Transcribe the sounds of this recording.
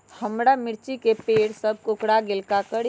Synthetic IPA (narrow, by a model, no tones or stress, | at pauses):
həmɽamɪɾt͡ʃikepeːɽsəb̚ʱkʊkɽaɡɪlkakəɽ